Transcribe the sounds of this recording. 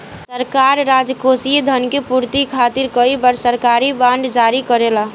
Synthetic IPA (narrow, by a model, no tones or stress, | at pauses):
səɾkaɾːad͡ʒkosied̪ʱənkepuɾt̪ikʰat̪iɾkəibəɾsəɾkaɾibãɳɖd͡ʒaɾikəɾela